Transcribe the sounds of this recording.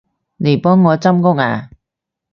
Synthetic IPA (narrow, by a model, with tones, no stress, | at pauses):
ne˨˩jpɔː˥ŋːɔː˨˧t͡sɐ˥mkʊ˥ŋaː˧˩